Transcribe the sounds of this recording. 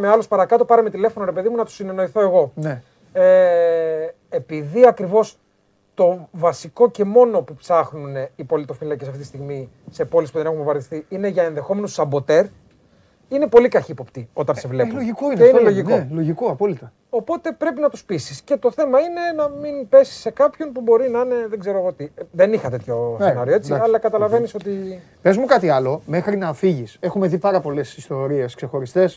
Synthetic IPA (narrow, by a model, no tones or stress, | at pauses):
meɐlo̞spɐɾɐkɐt̪o̞pɐɾemet̪ile̞fo̞noɾe̞pe̞ðimunɐt̪u̥sineno̞iθo̞e̞ɣo̞ne | e | epiðiɐkɾivo̞s | t̪o̞vɐsiko̞ce̞mo̞no̞pupsɐxnuneipo̞lit̪o̞filɐcesɐft̪it̪ist̪iɣmi | se̞po̞lispuðenexunmpovɐɾðist̪iine̞ʝɐenðe̞xo̞me̞nussɐmbo̞t̪e̞ɾ | ine̞po̞likɐçipo̞pt̪io̞t̪ɐnse̞vleploʝikoineinello̞ʝikoloʝikoɐpolit̪ɐ | o̞po̞t̪e̞pɾe̞pinɐt̪u̥spisi̥sce̞t̪o̞θe̞mɐine̞nɐminpe̞si̥se̞kɐpço̞npubo̞ɾinɐine̞ðeɡze̞ɾoɐɣot̪iðe̞nixɐt̪e̞t̪ço̞senɐɾioet͡siɐlɐkɐt̪ɐlɐve̞niso̞t̪i | pe̞zmukɐt̪iɐlo̞mexɾinɐfiʝise̞xume̞ðipɐɾɐpo̞le̞sist̪o̞ɾie̞skse̞xo̞ɾist̪e̞s